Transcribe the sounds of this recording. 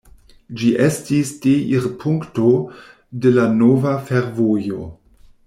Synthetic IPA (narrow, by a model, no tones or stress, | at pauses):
d͡ʒiʔestisd̥eʔiɾpʰuŋkto | delanovafeɾvojo̞